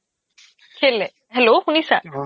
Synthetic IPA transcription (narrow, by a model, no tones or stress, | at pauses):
kʰele | ɦɛlohunisa